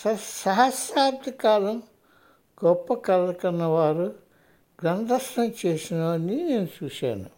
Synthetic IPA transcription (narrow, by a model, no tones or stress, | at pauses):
sɐsɐɦɐsaːbd̪ʱikaːlɐm | ɡ̥ɔpːɐkɐlːɐkɐnːɐʋaːɾu | ɡ̥ɾɐnd̪ʱɐsʈɐmt͡ʃe̞ːsinɐʋɐnːine̞ːnut͡ʃuːʃa̰ːnu